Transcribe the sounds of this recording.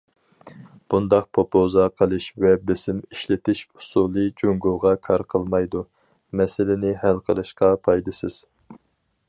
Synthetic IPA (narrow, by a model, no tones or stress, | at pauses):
b̥und̪ɑq̚pʰopʰozɑqʰəlˠɨʃvɛbɪsɪmiʃlɪt̪ɪʃu̥sulˠɨd͡ʒoŋɡoʁɑkʰɑɾqʰəlˠmɑjd̪u | mɛsɪlɪnɪhælqʰəlˠɨʃqɑpʰɑjd̪ɨsɪz̥